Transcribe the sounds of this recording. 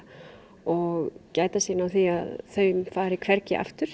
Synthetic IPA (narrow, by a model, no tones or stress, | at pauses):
ɔɣcaːjt̪asiːnawθiaðθœɥmfaːɾɪkʰv̥ɛɾcɪ̰ʔa̰ft̪ʏɾ̥